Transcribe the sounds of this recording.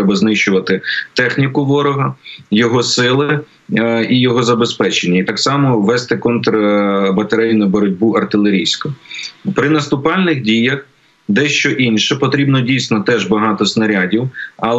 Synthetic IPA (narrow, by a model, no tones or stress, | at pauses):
ɛbɐznɪʃt͡ʃʊʋɐt̪ɪt̪ɛxnʲikʊʋɔɾɔɦɐjɔɦɔsɪlˠɪ | ijɔɦɔzɐbespɛt͡ʃenʲːɐit̪ɑksɑmɔʋɛst̪ɪkɔnt̪ɾɐbɐt̪ɐɾɛjnɐbɔɾɔdʲbuɐrt̪ɪlˠeɾʲijsʲkʊpɾɪnɐst̪ʊpɑlʲnɪxdʲijɐx | d̪ɛʃt͡ʃɔʔinʲʃɛpɔt̪ɾʲibnɔdʲijsʲnɔt̪ɛʒbɐɦɑt̪ɔsnɐɾʲadʲiwɐlˠ